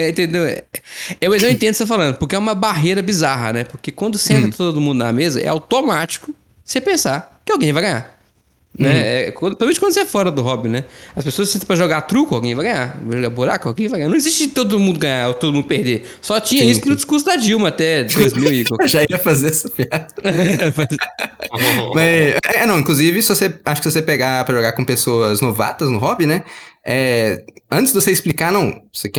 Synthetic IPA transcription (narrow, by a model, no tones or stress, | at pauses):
ɛẽt̪ẽnd̪ewɛɛwmez̃ĩt̪ẽd̪ʊsefalɐ̃nd̪ʊpʊɾkeɛũmɐbaɦeɾɐbizaɦɐ̰nɛpoɾkekwɐ̃nd̪ʊsẽnt̪ɐ̃t̪od̪ʊmũnd̪ʊna̰mezɐ̰ʔɛ̰a̰wt̪omat͡ʃi̥kʊ | sepẽsakɪawɡẽj̃vajɡɐ̃ɲ̃a | nɛɛ̰kɐ̃pɾzmẽt͡ʃɪkwɐ̃d̪ʊsɪɛfɔɾɐd̪ʊɦɔbĩnɛɐspesoɐssẽt̪ɐ̃pɾɐʒoɡat̪ɾukʊawɡẽj̃vajɡɐ̃ɲ̃avaʒoɡabuɾa̰kʊawɡẽj̃vajɐ̃anɐ̃w̃ɪziʃt͡ʃɪd͡ʒɪt̪od̪ʊmũd̪ʊɡɐ̃ɲaɾot̪od̪ʊmũd̪ʊpehd̪esɔt͡ʃĩɲɐisʊpnʊd͡ʒi̥skuɾs̬ʊd̪ɐd͡ʒiwmɐat̪ɛd̪ojzmiwɪkaɛʒaiɐfazeɾɛsɐfɛt̪ʊfaz | mɐɛnɐ̃w̃ĩkluzivɪsɪvoseaʃʊkɪsɪvosepeɡapɾɐʒoɡakõpesoɐznova̰t̪ɐznʊɦɔbinɛɛ | ɐ̃t͡ʃ̪ɪzd̪voseɪsplikaɾnɐ̃w̃osekɛ̃